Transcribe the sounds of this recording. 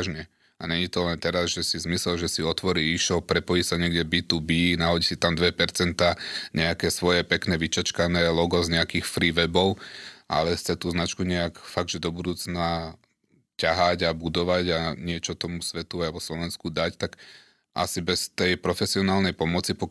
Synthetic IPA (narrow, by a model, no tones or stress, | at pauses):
ʒɲɛ | aɲɛɲit̪ɔlɛnt̪ɛɾazʒɛsizmisɛlʒɛsiɔt̪ʋɔɾiiʃɔpɾɛpɔjisaɲɪɛɡɟɛbiːt̪ubiːnaɦɔɟisit̪amd̪ʋɛpɛɾt͡sɛnt̪aːɲɛakɛːsʋɔjɛpɛknɛʋit͡ʃat͡ʃkanɛːlɔɡɔzɲɛakiːxfɾiːʋɛbɔʊʔa̰lɛxt͡sɛt̪uːznat͡ʃkuɲɛakfaɡ̚d̪ʒɛd̪ɔbud̪uːt͡sna | caɦaɟabud̪ɔʋaɟaɲɪɛt͡ʃɔt̪ɔmusʋɛt̪uajʋɔslɔʋɛnskud̪act̪ak | ʔa̰sibɛst̪ɛjpɾɔfɛsiɔnaːlnɛjpɔmɔt͡sipɔ